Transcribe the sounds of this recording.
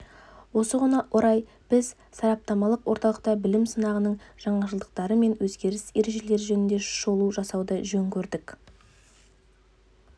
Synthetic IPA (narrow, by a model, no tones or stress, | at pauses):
wo̞səʁənɑʔoɾɑj | b̥ɪz | sɑɾɑp̚t̪ɑmɑlˠəqwo̞ɾt̪ɑlˠəq̚t̪ɑbɪlɪmsənɑʁənəɴʒ̥ɑɴɑʒəlˠd̪əq̚t̪ɑɾəme̞nwɵzɡʲe̞ɾɪse̞ɾe̞ʒe̞le̞ɾʒɵnɪnd̪e̞ʃʊ̥ʃo̞lˠuʒɑsɑwd̪əʒɵŋkʲʰɵɾd̪ɪk